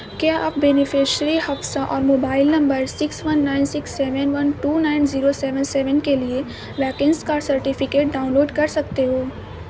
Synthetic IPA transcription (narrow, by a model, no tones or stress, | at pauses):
kjaʔa̰ːp̚bɛːnɪfɪʃɾihɐfsaʔɔːɾmoːbaːɪlnɐ̃mbəɾsɪksʋɐnːaːɪnsɪksːɛːʋənʋɐnʈuːnaːɪnziːɾosɛːʋə̃nsɛːʋənkelie | ʋɛːkɪ̃nskasɐɾʈɪfɪkeːʈ̚ɖaːʊ̃nloːɖkɐɾsɐk̚t̪eɦoː